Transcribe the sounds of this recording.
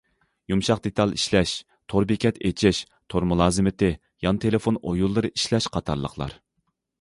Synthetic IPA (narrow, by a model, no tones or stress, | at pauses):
jumʃɑq̚d̪et̪ʰɑlˠiʃlɛʃ | t̪ʰoɾbikʲʰɛt̪ʰet͡ʃʰɪʃ | t̪ʰoɾmulˠɑːzɨmɪt̪ʰɪ | jɑnt̪ʰelɪfonojulˠːɨɾɨʔiʃlɛʃqʰɑt̪ʰɑ̰ɾlˠə̰χʰlˠɑ̰ɾ